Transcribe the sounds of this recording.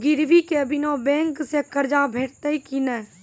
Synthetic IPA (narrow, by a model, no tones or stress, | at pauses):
ɡɪɾʋikebɪnobɛ̃ːŋksekəɾd͡ʒabʱeːʈt̪əikinə